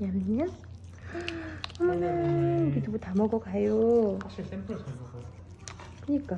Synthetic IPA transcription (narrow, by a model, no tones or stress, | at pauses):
amɲa | ʌmʌnɯkit̪ʰubutamʌɡʌkajo | kɯɲik͈a